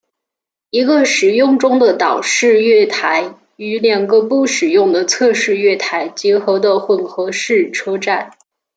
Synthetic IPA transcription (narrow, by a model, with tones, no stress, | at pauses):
i˧˥ɡə˧ʂɻ̩˨˩jʊ˥˩ŋʈ͡ʂʊ˥ŋd̪ə˨t̪ɑ˨˩ʊʂɻ̩˥˧ɥɛ˥˩t̪ʰa˧˥ɪ | y˧˥ljɑ˨˩ŋɡə˧˦pu˥˩ʂɻ̩˨˩jʊ˥˩ŋd̪ə˩t͡sʰɤ˥˧ʂɻ̩˥˧ɥɛ˥˩t̪ʰa˧˥ɪt͡ɕjɛ˧˥xɤ˧˥ʊd̪ə˧xwə˨˩nxɤ˧˥ʂɻ̩˥˩ʈ͡ʂʰɤ˥ʈ͡ʂa˥˩n